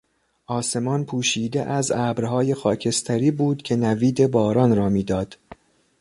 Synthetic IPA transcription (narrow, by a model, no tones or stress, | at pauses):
ʔɒːse̞mɒːnpʰuːʃiːd̪ḛʔæzæːbɾɦɒːje̞xɒːcʰe̞st̪ʰæɾiːbuːd̪̥cʰe̞næviːd̪e̞bɒːɾɒːnɾɒːmiːd̪ɒːd̪̥